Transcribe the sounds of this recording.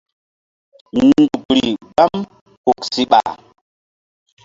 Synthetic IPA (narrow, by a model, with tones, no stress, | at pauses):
ndu˨kɾi˨ɡ͡ba˦m | hu˨ksi˦ɓa̰˨